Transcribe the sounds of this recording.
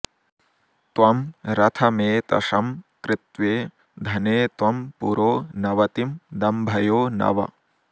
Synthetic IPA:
t̪ʋɐmɾɐt̪ʰɐmeːt̪ɐ̰ʂɐmkɾɪt̪ʋeː | d̪ʱɐneːt̪ʋɐmpṵɾoːnɐʋɐt̪imd̪ɐmbʱɐjoːnɐ̰ʋɐ̰

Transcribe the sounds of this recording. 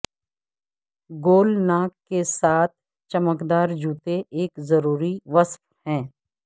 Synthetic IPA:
ɡoːlnaːkːesaːt̪̚ʰ | t͡ʃɐməkd̪aːɾd͡ʒuːt̪eʔeːkzɐɾuːɾiʋəsf | hɛ̃ː

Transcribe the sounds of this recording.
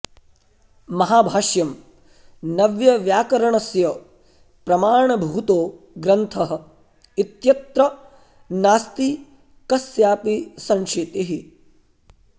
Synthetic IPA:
mɐɦaːbʱaːʃjɐm | nɐʋjɐʋjaːkɐɾɐɳɐsjɐ | pɾɐmaːɳɐbʱuːt̪oː | ɡɾɐnt̪ʰɐɦɐ̆ | it̪jɐt̪ɾɐ | naːst̪i | kɐsjaːpisɐŋʃeːt̪iɦi

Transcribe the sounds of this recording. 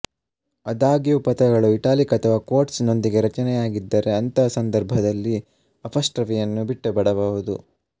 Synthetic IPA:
ɐd̪aːɡijupɐt̪ɐɡɐɭuiʈaːlikɐt̪ʰɐʋako̞ːɾʈsno̞nd̪iɡe̞ɾɐt͡ʃɐnɛjaːɡid̪ːɐɾe̞ɐnt̪ɐsɐnd̪ɐɾbʱɐd̪ɐlːi | ɐpʰɐsʈɾɐʋijɐnːubiʈːɐbɐɽɐbɐʋud̪ṵ

